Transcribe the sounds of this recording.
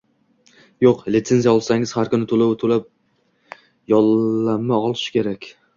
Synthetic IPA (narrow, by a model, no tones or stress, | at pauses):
joqlɪt̪se̞nzijaɒlˠsaŋɪz̥haɾkʊnɪt̪ʰolawt̪ʰolap̚ | jɒlˠːamːaɒlˠɪʃɪ̥kʲʰe̞ɾakʲ